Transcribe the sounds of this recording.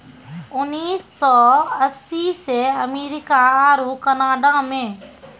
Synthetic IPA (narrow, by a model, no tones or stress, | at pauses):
ʊnːiːsːɔːəsiːseəmeːɾɪkaaːɾuːkənaːɖaːmẽː